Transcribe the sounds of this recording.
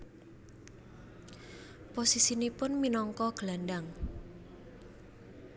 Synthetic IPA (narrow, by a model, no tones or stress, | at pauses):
posisinipʊnminɔŋkɔɡ̥əlandaŋ